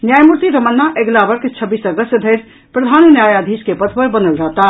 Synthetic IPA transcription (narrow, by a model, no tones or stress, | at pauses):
njajmuɾt̪iɾəmənːaʔeɡlabəɾkt͡ʃʰəbiːsəɡəst̪d̪ʱəɪɾ | pɾəd̪ʱanunjajad̪ʱiskepət̪ʰbəɾbənəlɾəɦt̪a